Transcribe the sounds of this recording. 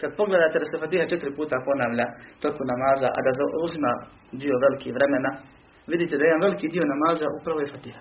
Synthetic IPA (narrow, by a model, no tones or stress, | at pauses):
kad̪̚po̞ɡle̞d̪aːt̪e̞d̪ase̞fat̪iːhat͡ʃe̞t̪iɾipuːt̪apo̞naːʋʎat̪o̞konamaːzaʔa̰d̪azauzima | d̪io̞ʋe̞likiʋɾe̞mena | ʋid̪it̪ed̪ajeanʋe̞likid̪io̞namaːzaʔupɾaʋo̞jefat̪iːhḁ